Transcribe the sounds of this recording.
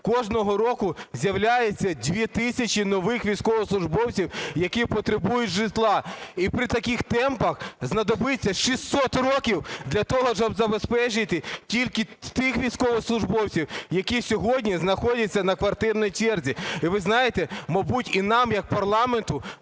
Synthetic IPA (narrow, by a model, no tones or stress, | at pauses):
kɔʒnɔɦɔɾɔkʊzʲjɐwlʲajet͡sʲːɐdʲʋʲit̪ɪsʲɐt͡ʃinɔʋɪxʋʲijsʲkɔʋɔslˠʊʒbɔwt͡sʲiwjɐkʲipɔt̪ɾebujʊtʲʒɪt̪lˠɑipɾɪt̪ɐkixt̪ɛmpɐxznɐd̪ɔbɪt͡sʲːɐʃist̪ːɔt̪rɔkʲiwd̪lʲɐt̪ɔɦɔʃɔbzɐbespɛt͡ʃɪt̪ɪtʲilʲkɪt̪ɪxʋʲijsʲkɔʋɔslˠʊʒbɔwt͡sʲiwjɐkʲisʲɔɦɔdʲnʲiznɐxɔdʲɐt͡sʲːɐnɐkʋɐrt̪ɪrnɔjit͡ʃɛrzʲiiʋɪznɑjet̪ɛmɐbutʲinɑmjɐk̚pɐrlˠɑment̪ʊ